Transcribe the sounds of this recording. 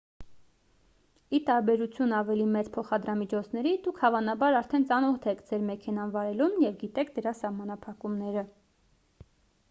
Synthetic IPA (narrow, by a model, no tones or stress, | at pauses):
it̪ɑɾbɛɾut͡sʰjunɑvɛlimɛt͡spʰɔχɑd̪ɾɑmit͡ʃʰɔt͡sʰnɛɾid̪ukʰhɑvɑnɑbɑɾɑɾt̪ʰɛnt͡sɑnɔht̪ʰɛkʰd͡zɛɾmɛkʰɛnɑnvɑɾɛlunjɛvɡit̪ɛkʰd̪əɾɑsɑhmɑnɑpʰɑkumnɛɾə